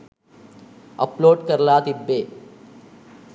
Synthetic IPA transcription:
ɐploːɖkɐɾɐlaːt̪ibːeː

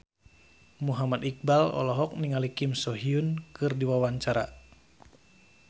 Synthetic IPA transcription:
muɦamadik̚balɔ̰lɔɦɔk̚niŋalikimsɔɦiunkɨrdiwawaɲt͡ʃaɾa̰

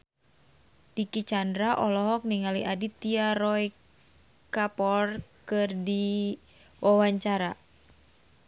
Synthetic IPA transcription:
d̥ikit͡ʃandɾaʔɔlɔɦɔk̚niŋaliʔadit̪iaɾɔj | kapɔrkɨrdi | wʔawaɲt͡ʃaɾa

